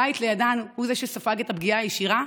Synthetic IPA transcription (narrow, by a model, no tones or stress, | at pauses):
ajt̪lejadanhuzeʃesafaɡetabɡiaajeʃiʁa